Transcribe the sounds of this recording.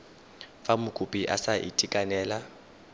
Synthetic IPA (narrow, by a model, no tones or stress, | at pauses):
famʊkʼupʼiʔa̰saʔḭtʼikʼanɛːla